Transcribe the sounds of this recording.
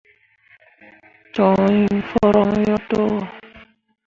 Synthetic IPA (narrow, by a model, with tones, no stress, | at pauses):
t͡ʃɔ˨˧i˦fɔ˦ɾɔ˧ŋ˦jɔ˦to˦wɔ˦˨